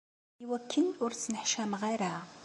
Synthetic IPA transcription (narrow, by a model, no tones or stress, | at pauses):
iwækʰːənʊɾt͡sːnəħʃæmʁiɾa